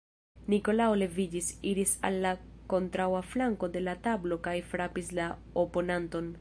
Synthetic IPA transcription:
niko̞laole̞vid͡ʒisiɾisa̰lːako̞ntɾawaflaŋko̞de̞latablo̞kajfɾapisla | opo̞nanto̞n

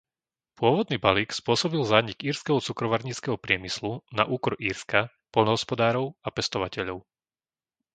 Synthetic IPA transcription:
pʊɔʋɔd̪niːbaliːkspʊɔsɔbilzaːɲiɡiːɾskɛɦɔt͡sukɾɔʋaɾɲiːt͡skɛɦɔpɾɪɛmislunaʔuːkɔɾʔiːɾska | pɔlnɔɦɔspɔd̪aːɾɔʊapɛst̪ɔʋacɛʎɔʊ

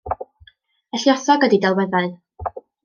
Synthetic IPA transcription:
əɬjɔθɔɡədidɛlˠwɛðaɨ

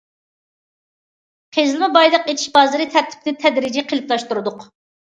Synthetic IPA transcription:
qʰezlɨmɪbɑjlˠəqet̪ʰɪ̥ʃbɑːzɨɾɨt̪ʰæɾt̪ʰɪ̥p̚nɪt̪ʰɛd̪ɾɪd͡ʒiqʰelɪplˠɑʃt̪uɾɨd̪ʊq

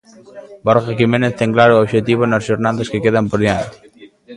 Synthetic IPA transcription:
bɔɾɣekimenet̪t̪eŋklaɾuobʒet̪iβonəzʒuɾnaðəskekeðəmpoɾðian

